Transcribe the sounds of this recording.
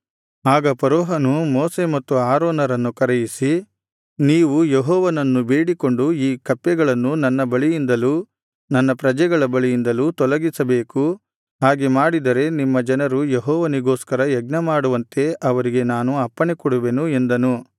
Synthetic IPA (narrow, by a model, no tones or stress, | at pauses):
aːɡɐpɐɾɔːɦɐnumoːse̞mɐt̪ːuaːɾoːnɐɾɐnːukɐɾejisi | niːʋujeɦɔːʋɐnɐnːube̞ːɽiko̞ɳɖuiːkɐpːjɛɡɐɭɐnːunɐnːɐbɐɭijind̪ɐlu | nɐnːɐpɾɐd͡ʒɛɡɐɭɐbɐɭijind̪ɐlut̪ɔlɐɡisɐbe̞ːku | ɦaːɡemaːɽid̪ɐɾe̞nimːɐd͡ʒɐnɐɾujeɦɔːʋɐniɡoːskɐɾɐjɛɡ̚nɐmaːɽuʋɐnt̪e̞ɐʋɐɾiɡe̞naːnuɐpːɐɳekɔɽuʋe̞nue̞nd̪ɐnu